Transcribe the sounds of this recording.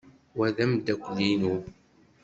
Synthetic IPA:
wæðæmd̪ækʷːlinu

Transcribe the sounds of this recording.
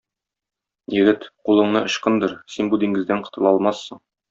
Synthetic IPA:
jɘ̆ɡɘt̪qulˠɤ̆ɴnɤʔŏɕqɤnd̪ɤɾsinbud̪iŋɡɘ̆zd̪æɴqɤ̥̆t̪ɤ̆lˠɑɒlˠmɑsːɤɴ

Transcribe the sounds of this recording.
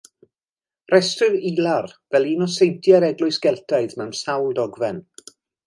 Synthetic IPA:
rɛstrɨvilˠarvɛlˠiːnɔsejtʰjaɾɛɡlʊɨsɡ̥ɛlˠtʰaɨðmɛwmsawlˠdɔɡvɛn

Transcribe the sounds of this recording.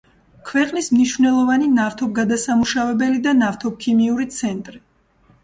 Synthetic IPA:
kʰvɛqʼnismniʃvnɛlˠɔvaninaft̪ʰɔb̚ɡad̪asamuʃavɛbɛlid̪anaft̪ʰɔp̚kʰimiuɾit̪sʰɛnt̪ʼɾi

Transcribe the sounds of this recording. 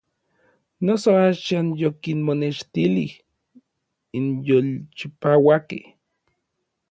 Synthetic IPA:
nosoaːʃaːnjokinmoneʃt̪ilih | injolt͡ʃipaːwakḛh

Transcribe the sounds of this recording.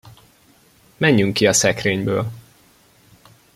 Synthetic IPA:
mɛɲːyŋkːiɒsɛkreːɲbøːl

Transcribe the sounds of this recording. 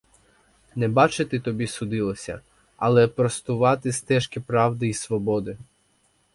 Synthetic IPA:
nɛbɑt͡ʃɪt̪ɪt̪ɔbʲisʊd̪ɪlˠɔsʲɐ̰ | ɐlˠɛpɾɔst̪ʊʋɑt̪ɪst̪ɛʃkʲipɾɑwd̪ɪisʋɔbɔd̪ɪ

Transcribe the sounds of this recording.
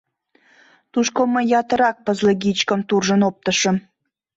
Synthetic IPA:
t̪uʃkoməjːɑt̪ə̆ɾɑk̚pəzlə̆ɡit͡ɕkəmt̪urʒənop̚t̪əʃə̆m

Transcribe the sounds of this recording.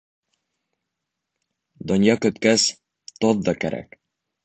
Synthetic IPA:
d̪ŏnjɑkɵ̆t̪kæs | t̪oðd̪ɒkæɾʔæ̰k

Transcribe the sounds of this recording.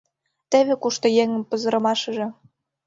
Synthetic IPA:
t̪eβĕkuʃt̪ojeŋə̆mpɤ̆zɤ̆ɾɤ̆mɑʃɤ̆ʒĕ

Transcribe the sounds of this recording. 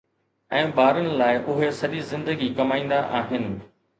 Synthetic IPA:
ɛ̃ːbaːɾənɪ̆laːɪʔʊɦesɐʄizɪ̃nd̪əɡikɐmaːĩːnd̪aʔaːɦɪnɪ̆

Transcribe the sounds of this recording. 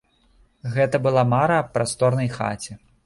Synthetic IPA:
ɣɛt̪ɐbɨlˠamaɾɐpɾast̪ɔrnɐjxa̰t͡sʲi

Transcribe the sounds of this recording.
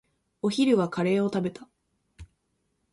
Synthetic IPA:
o̞çiɾɯ̟ɡakʰaɾe̞ːo̞t̪abe̞t̪ḁ

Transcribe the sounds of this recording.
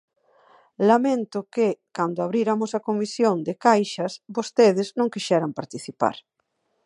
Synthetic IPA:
lamẽnt̪ʊkɪkand̪ʊaβɾiɾamosɐkomisjoŋd̪ɪkajʃɐsbost̪eð̞ɪznõŋkiʃɛɾampaɾt̪iθipa̰ɾ

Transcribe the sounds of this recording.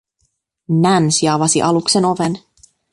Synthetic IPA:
nænsiɑʋɑsiʔɑlukse̞no̞ʋe̞n

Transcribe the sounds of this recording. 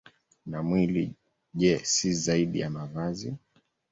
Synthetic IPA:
namwilḭ | ʄɛsizaiɗḭjamavazi

